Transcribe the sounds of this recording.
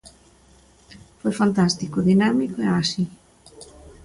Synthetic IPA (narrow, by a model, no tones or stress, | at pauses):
fojfant̪ast̪ikoðinamikoeasi